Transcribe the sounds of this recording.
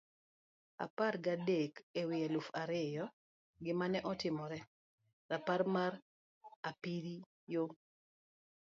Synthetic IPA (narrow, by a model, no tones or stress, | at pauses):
a̰parɡadekewɪjalʊfaɾɪjɔ | ɡɪmanɛʔɔtɪmɔɾɛ | ɾapaɾmaɾ | apiɾi | jo